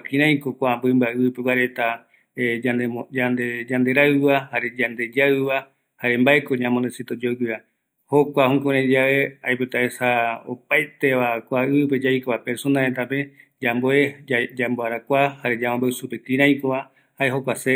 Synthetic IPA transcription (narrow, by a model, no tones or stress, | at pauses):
kĩɾ̃ãj̃kokʷambɨmbaʔɨɨpewaɾe̞t̪a | ad͡ʒand̪ed͡ʒand̪e̞ɾaɨβahaɾe̞d͡ʒand̪e̞d͡ʒaɨβa | haɾe̞mbae̞ko̞ɲãmõnd̪esit̪od͡ʒoɡɨa | ho̞kʷahũkoɾ̃ãd͡ʒaʋe̞ajpot̪aesao̰paet̪e̞ʋakʷaɨɨpe̞d͡ʒajkoβapeɾsonaɾet̪ape̞d͡ʒamboed͡ʒamboaɾakʷahaɾe̞d͡ʒamãmbaɨsupekĩɾãj̃koβa | haeɦokʷase